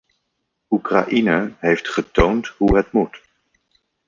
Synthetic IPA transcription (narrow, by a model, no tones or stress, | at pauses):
ukra̰ʔinəɦejftχətowntɦuɦətmut